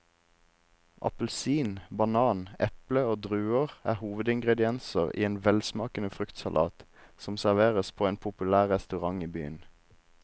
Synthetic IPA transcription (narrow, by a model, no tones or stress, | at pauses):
ʔɑ̰pəl̩siːnbɑnɑːnɛpləoːd̪ʁʉːəʁæ̰ːhuːʋəd̪ɪŋɡʁɛd̪ɪɛnsəʁḭːeːnʋɛlsmɑːkənəfʁʏkt̪sɑlʔɑ̰ːt̪sɔmsæʁʋeːʁəspʰoːeːnpʰʊpʉlæːʁʁɛst̪ʉʁɑŋiːby̰ːən